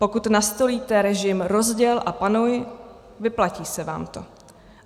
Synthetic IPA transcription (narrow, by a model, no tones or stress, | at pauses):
po̞kut̪nast̪o̞liːt̪ɛɾɛʒɪmɾo̞zɟɛlʔapanuj | vɪplaciːsɛva̰ːmt̪o̞̰